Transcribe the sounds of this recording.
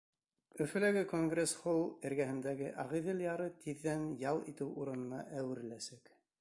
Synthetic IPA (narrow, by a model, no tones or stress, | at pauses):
ɵ̆fɘ̆læɡɘkoŋɡresχulˠɘ̆ɾɡæhɘ̆nd̪æɡɘʔɑʁiðɘljɑɾɤt̪ʰiðːænjɑlˠit̪ɘwuɾɤ̆nɤ̆nɑ̰ʔæwɘ̆ɾɘ̆læsæk